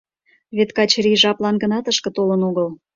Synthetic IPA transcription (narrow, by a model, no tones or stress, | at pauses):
βet̪kɑt͡ɕriʒɑplɑnɡə̆nɑt̪əʃkə̆t̪olənoɣəl